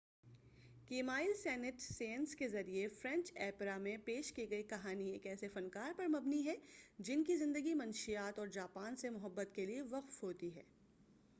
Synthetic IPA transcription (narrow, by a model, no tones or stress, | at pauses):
keːmaːɪlsɛːnɪʈsẽːnskezɐɾiefɾɛ̃ɲt͡ʃɛːpɾamẽpeːʃkiɡɐikɐɦaːnieːkɛːsefɐnkaːɾpɐɾmɐbniɦɛd͡ʒɪnkizɪ̃nd̪əɡimɐnʃijaːt̪ɔːɾd͡ʒaːpaːnsemʊɦəbːət̪kelieʋɐqfɦoːt̪iɦɛ̰ː